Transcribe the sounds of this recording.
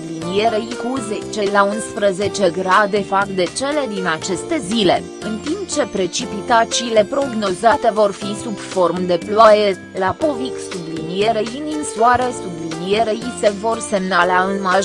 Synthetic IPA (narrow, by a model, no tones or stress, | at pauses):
bllinieɾeikuzet͡ʃe̞launspɾəze̞t͡ʃe̞ɡɾad̪e̞fakd̪e̞t͡ʃe̞le̞d̪inat͡ʃe̞st̪e̞zile̞ | ɨnt̪impt͡ʃe̞pɾe̞t͡ʃipit̪at͡ʃiːle̞pɾo̞ɡno̞zat̪e̞vo̞rfisubfo̞rmd̪e̞plwaje | lapo̞viksublinijeɾeinimsuaɾesublinijeɾeise̞vo̞rse̞mnaleaɨnmaʒ